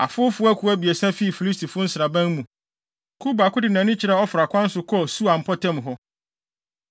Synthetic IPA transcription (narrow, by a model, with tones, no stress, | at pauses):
a̰˨fʊ˦fʊ˦æ˦kʰu˨˦æ˦bi˨e˨sã˦fi˦˨fi˨li˦s̬tʰi˨fʊ˦n̩˦sɪ˨ɾa˨bæ̃˦n˦mũ˨ | kʰu˦ba˨kʊ˦dɪ˨nã˨nʊ̃˦t͡ɕʰɪ˨ɾɛ˦ɔ˦fɾa˨kʷʰã˦n̩˦sʊ˨kʰɔ˦˨su˦a˨m̩˨pʰɔ˦tʰɛ̃˦m˨ɦɔ˦